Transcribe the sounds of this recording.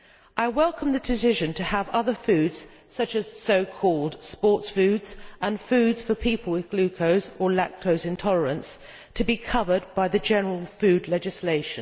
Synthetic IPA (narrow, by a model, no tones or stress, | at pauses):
ʔaɪwɛlˠkʰə̃mðɨdɪsɪʒɨ̃ntʰɨːvʌðəfʉːdz̥ | sʌt͡ʃɨz̥soʊkʰɔlˠd̥spɔˑtsfʉdz̥ʔə̃nfʉːdz̥fəpʰiˑpəlˠwɪðɡ̥lʉkʰoʊzə˞lɛ̰k̚tʰoʊzɨ̃ntʰɒlˠəɹə̃ns | tʰəbikʰʌvə˞d̚baɪðɨd͡ʒɛnəɹəlˠfʉdˡlɛd͡ʒɨsleɪʃɨ̃n